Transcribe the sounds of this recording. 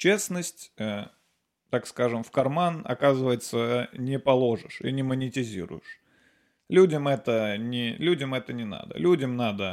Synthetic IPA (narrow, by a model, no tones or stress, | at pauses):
t͡ɕesnəsʲtʲə | t̪akskaʐɨmfkɐrmanɐ̰kazɨvəjɪt̪sənʲɪpɐlˠo̞ʐɨʂḭnʲɪmənʲɪtʲɪzʲḭɾʊ̰jɪʂ | lʲudʲəmɛt̪ənʲɪlʲudʲəmɛt̪ənʲɪna̰d̪ə̰lʲudʲəmnad̪ə